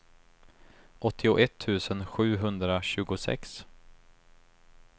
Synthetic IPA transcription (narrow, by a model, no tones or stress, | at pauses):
ʔɔt̪ʰːɪʊʔɛt̪ʰːʉ̟ːsənɧʉ̟ːɦɵnd̪ɾaɕʉ̟ːɡʊsɛ̰ks